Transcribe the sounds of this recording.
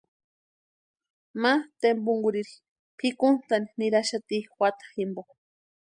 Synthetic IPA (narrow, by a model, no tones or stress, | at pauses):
mat̪embuŋɡuɾiɾi | pʰikunt̪aniniɾaʃat̪iwat̪ḁximbo